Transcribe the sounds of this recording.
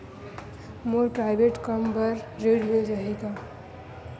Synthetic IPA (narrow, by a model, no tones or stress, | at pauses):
moɾpɾaɪbeʈkəmbəɾːeɖɦed͡ʒaɦika